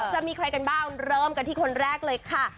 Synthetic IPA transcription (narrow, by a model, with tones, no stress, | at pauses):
t͡ɕa˨ʔmiː˧kʰɾa˧jka˧nbaː˥˩ŋɾɤː˥˩mka˧nt̪ʰiː˥˩kʰo˧nɾɛː˥˩k̚lɤː˧jkʰa˥˩